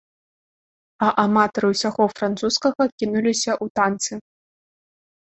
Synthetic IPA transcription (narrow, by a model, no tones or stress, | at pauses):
ɐʔamat̪ɐɾɨwsʲaɣɔfɾant̪suskɐɣɐkʲinulʲisʲɐʔut̪ant̪sɨ